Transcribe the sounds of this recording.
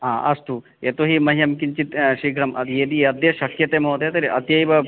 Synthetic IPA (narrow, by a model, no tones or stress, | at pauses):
ɦãːʔɐst̪u | et̪oɦimɐɦijɐmkiɲt͡ʃit̪ʃiːɡʱɾɐmʔɐd̪ieːd̪iɐd̪jɐʃɐkjɐt̪eːmɐwt̪et̪ɐɾiʔɐt̪jɐjʋɐ